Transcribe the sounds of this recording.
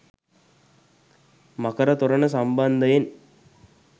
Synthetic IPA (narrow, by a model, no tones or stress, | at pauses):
mɐkɐɾɐt̪uɾɐnəs̬ɐmbɐnd̪ɐjen